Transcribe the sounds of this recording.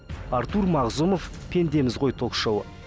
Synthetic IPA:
ɑɾt̪uɾmɑʁzumo̞f | pʲʰe̞nd̪e̞mɪzʁo̞jt̪ʰokʃɑwə̰

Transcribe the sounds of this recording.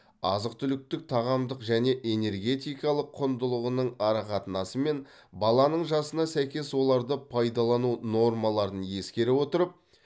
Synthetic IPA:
ɑ̰zəqt̪ʏlɪk̚t̪ɪk̚t̪ʰɑʁɑmd̪əqʒæne̞ʔe̞ne̞ɾɡʲe̞t̪ijkɑlˠəqʰːʊnd̪əlˠəʁənəɴɑɾɑqɑt̪ənɑsəme̞n | bɑlˠɑnəɴʒɑsənɑsæjkʲe̞swo̞lˠɑɾd̪əpʰɑjd̪ɑlˠɑnuno̞rmɑlˠɑɾənje̞skʲe̞ɾɪwo̞t̪əɾəp̚

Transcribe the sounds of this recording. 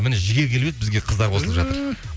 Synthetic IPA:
mɪneʒɪɡʲe̞kʲʰe̞lbed̪̚bɪzɡʲeqʰəzd̪ɑɾqʰo̞səlˠəpʒɑt̪əɾ

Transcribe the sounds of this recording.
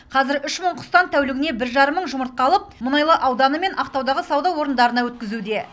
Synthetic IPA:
qʰɑzɪɾʏʃməɴqʰʊ̥st̪ɑnt̪ʰæwlɪɡʲɪne̞bɪɾʒɑɾəmːəɴʒʊməɾt̪̚qɑlˠəp̚mʊnɑjlˠəʔɑwd̪ɑnəme̞nʔɑqt̪ɑwd̪ɑʁəsɑwd̪ɑwo̞ɾənd̪ɑɾənɑwɵt̪̚kʲɪzud̪e̞

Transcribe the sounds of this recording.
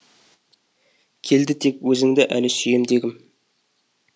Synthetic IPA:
kʲʰe̞ld̪ɪt̪ʰe̞kwɵzɪŋd̪ɪʔælɪsejɪmd̪e̞ɡʲɪm

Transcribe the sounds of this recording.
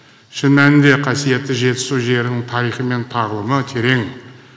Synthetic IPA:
ʃənmænd̪eqʰasijat̪ːəʒet̪ə̥solʒeɾəŋt̪ʰaɾiχəment̪ʰaʁləmət̪ʰeɾeŋ

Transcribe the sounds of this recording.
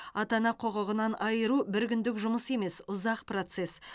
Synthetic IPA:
ɑt̪ɑnɑqʰo̞ʁəʁənɑnɑjəɾubɪɾkʲʏnd̪ɪkʒʊməse̞me̞sʊzɑqpro̞t̪se̞s

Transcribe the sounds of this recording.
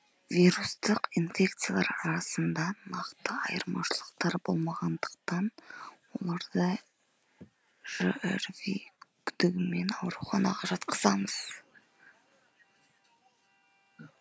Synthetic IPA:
vʲiɾust̪əqinfʲe̞k̚t̪sijalˠɑ̰ɾɑɾɑsənd̪ɑnɑqt̪əɑjəɾmɑ̰ʃəlˠəq̚t̪ɑɾbo̞lˠmɑʁɑnd̪əqt̪ɑnwo̞̰lˠɑɾd̪ə | ʒ̥əʔḛɾvḭkʲʰʏd̪ɪɡʲɪme̞nɑwɾuwχɑnɑ̰ʁɑʒɑt̪qʰəzɑməz̥

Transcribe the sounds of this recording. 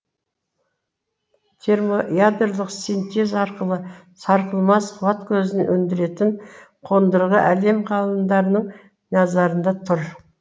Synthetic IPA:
t̪ʲʰe̞ɾmojad̪rlˠəqsint̪e̞zɑɾqəlˠə | sɑɾqəlˠmɑsqʰuvɑt̪kʲʰɵzɪnʔɵnd̪ɪɾe̞t̪ɪɴqʰo̞nd̪əɾʁəʔæle̞mqʰɑlˠənd̪ɑɾənəɴ | nɑzɑɾənd̪ɑt̪ʰʊɾ

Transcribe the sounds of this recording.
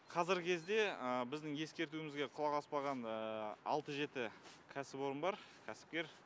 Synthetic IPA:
qʰɑzɪɾkʲʰe̞zd̪e̞əbɪzd̪ɪŋje̞skʲe̞ɾt̪uɪmɪzɡʲeqʰʊlˠɑʁɑspɑʁɑnəɑ̰lˠt̪əʒe̞t̪ɪkʲʰæsɪpo̞ɾənbɑɾkʲʰæsɪ̥p̚kʲe̞ɾ

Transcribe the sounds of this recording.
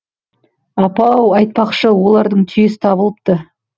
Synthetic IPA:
ɑpɑwɑjt̪̚pɑqʃəwo̞lˠɑɾd̪əɴt̪ʰʏjesɪ̥t̪ʰɑbəlˠəp̚t̪ə

